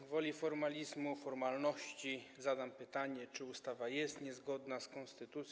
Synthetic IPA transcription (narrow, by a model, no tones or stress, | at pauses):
vɔlʲifɔɾmalʲizmufɔɾmalnɔɕt͡ɕizad̪ampɘt̪aɲɛt͡ʂɘust̪avajɛst̪ɲɛzɡɔd̪naskɔnst̪ɘt̪ut̪sʲ